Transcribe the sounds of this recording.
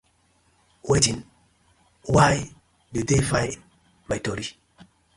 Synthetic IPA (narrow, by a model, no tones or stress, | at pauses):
wed͡ʒin | waj | dudefajn | majtoɾi